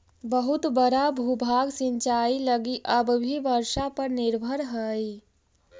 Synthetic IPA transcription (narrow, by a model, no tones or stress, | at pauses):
bəɦut̪bəɾabʱubʱaːɡsĩɲt͡ʃaːiləɡiʔəbbʱiʋəɾʃapəɾnɪɾbʱəɾɦəi